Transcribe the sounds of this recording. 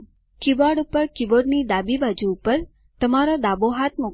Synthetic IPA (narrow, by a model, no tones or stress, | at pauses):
kiʋaɽupəɾkiʋoɾnid̪abibad͡ʒuːpəɾ | t̪əmaɾod̪aboɦat̪̚mo